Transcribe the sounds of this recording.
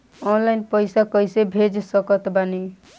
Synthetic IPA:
ɔnlajnpəjsakəjsebʱed͡ʒsəkət̪bani

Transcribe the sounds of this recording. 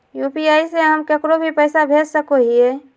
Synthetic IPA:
juːpiaːiseɦəmkekɾobʱipəɪsabʱeːd͡ʒsəkoɦie

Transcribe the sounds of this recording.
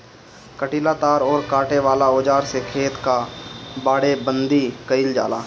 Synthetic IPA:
kəʈilaːt̪aːɾɔːɾkaːʈeʋaːlaoːd͡ʒaːɾsekʰeːt̪kabaːɽebə̃nd̪ikəɪld͡ʒa̰ːlaː

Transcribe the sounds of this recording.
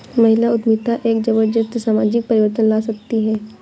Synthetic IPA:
mɐɦɪlaʊd̪mit̪aʔeːk̚d͡ʒɐbəɾd͡ʒət̪saːmaːd͡ʒɪk̚pɐɾɪʋəɾt̪ənlaːsɐk̚t̪iɦɛː

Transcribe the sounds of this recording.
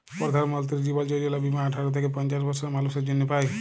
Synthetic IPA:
pɔɾd̪ʱaɾmɔlt̪iɾd͡ʒibald͡ʒod͡ʒɔlabimaəʈʰaɾɔt̪ʰekepɔnt͡ʃasbɔɾsɔɾmalused͡ʒɔnjepaj

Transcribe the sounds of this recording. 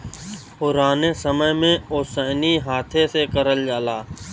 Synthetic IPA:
pʊɾaːnẽːsəməɦmẽːoːsəːniːɦaːt̪ʰeːseːkəɾəld͡ʒaːlaː

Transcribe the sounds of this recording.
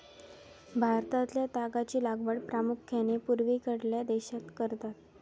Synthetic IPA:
bʱaɾt̪at̪ljat̪aɡat͡ɕiːlaɡʋəɽpɾamukʰːanepuɾʋikəɽljad̪eɕat̪kəɾt̪at̪

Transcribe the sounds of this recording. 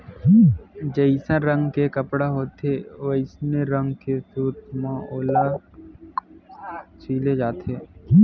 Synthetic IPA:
d͡ʒəɪsãɾə̃ŋɡkekəpɽaɦoːt̪eʋoɪsneɾə̃ŋɡkesuːɾt̪mãoːla | t͡ʃiːled͡ʒaːt̪eː

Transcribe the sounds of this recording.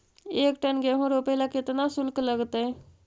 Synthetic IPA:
ekʈənɡeɦũɾopelakɪt̪nasʊlkləɡt̪e

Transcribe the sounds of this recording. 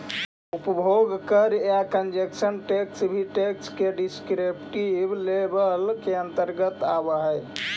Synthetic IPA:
upəbʱoɡkəɾakənd͡ʒeksənʈeksbʱiʈekskeɖiskɾepʈiblebəlkeənt̪əɾɡət̪abəɦəj

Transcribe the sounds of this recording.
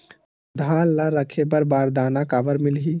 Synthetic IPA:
d̪ʱaːlːaɾəkʰepəɾbaːɾd̪aːnakaːʋəɾmɪlɦiː

